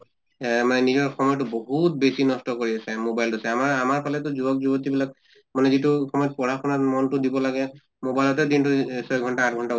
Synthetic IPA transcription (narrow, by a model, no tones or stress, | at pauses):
manɛnizɔɹxɔmɔjɔtʊboɦut̚besinɔstɔkoɹiasɛmobajltusɛamaɹamaɹpʰalɛtʊzubɔk̚zubɔt̬ibilak̚ | manɛzitʊxɔmɔjɔt̚pɔɹaxɔnamɔntʊdibɔlaɡɛ | mobajlɔtɛdintusɔjɡʱɔntaat̚ʰɡʱɔnta